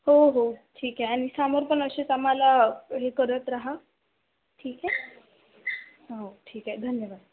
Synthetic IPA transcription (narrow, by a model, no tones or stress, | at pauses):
ɦoɦoːʈʰiːkɦeanisaːməɾpənəsesamalaɦekəɾət̪ɾaɦa | ʈʰiːkɦɛː | ɦoʈʰiːkɛd̪ʱənjəʋaːd̪